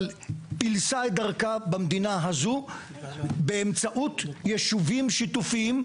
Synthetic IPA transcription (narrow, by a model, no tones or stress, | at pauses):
lpilsajd̪aʁkabamd̪inaɦazu | beːmt͡saʔut̪jeʃuvimʃit̪ufiim